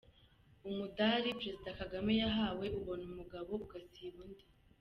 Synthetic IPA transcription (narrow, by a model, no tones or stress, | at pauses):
umudaɾipɾe̞zidakaɡame̞jaɦaːwe̞ʔuβo̞numuɡaβo̞uɡasiβunde